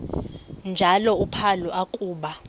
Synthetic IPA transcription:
nd͡ʒʱalɔupʰalɔʔakʼuːɓa

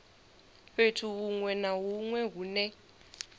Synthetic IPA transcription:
ɸetʰuβuŋwɛnaɦuŋwɛɦunɛ

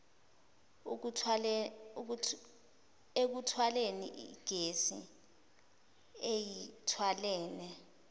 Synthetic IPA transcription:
ek̬utʰwalenḭʔḭɡ̥ʱesḭ | ejitʰwalɛːnɛ

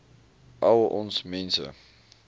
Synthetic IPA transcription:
ʔɐwʔɔnsmɛnsə̰

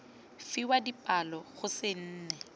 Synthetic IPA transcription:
fiwadipʼalɔɣʊsɪn̩ːnɛ

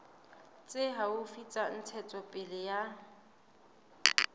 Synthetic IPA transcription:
t͡sʼɪɦaʊfit͡sʼan̩t͡sʰɛt͡sʼɔpʼɪlɪja

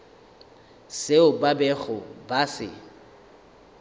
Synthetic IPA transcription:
seʊbabɛɣʊbasɪ̰

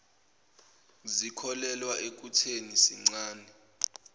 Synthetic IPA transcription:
zikʰɔlɛlwaʔek̬ʼutʰenisiŋ͡ǀaːnɛ

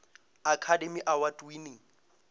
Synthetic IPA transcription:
akʰademiʔawatʼini

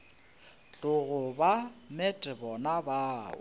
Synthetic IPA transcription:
t͡ɬʼʊɣʊbamɛtʼɪbɔnabaːʊ̰

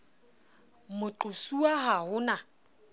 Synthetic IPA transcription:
mʊǃʊsuaɦahʊna

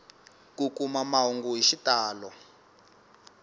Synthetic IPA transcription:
kukumamaɦuŋɡuɦiʃitaːlɔ

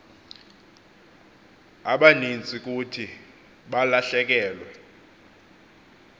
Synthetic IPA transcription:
aɓanint͡sʼik̬ʼutʰi | ɓalaɬɛk̬ɛːlwɛ

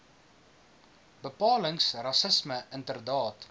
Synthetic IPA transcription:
b̥əpɑːləŋsrɐsəsməəntərdɑːt

